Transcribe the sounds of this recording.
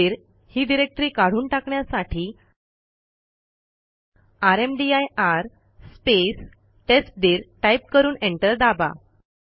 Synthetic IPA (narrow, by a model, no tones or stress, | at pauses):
iɾ | hiːɖiɾek̚ʈɾiːkaɽ̤uːnʈakɳjasaʈʰiː | aɾemɖiajaɾ | spes | ʈesʈ̚d̪iːɾʈaip̚kəɾuːnẽɳʈəɾd̪aba̰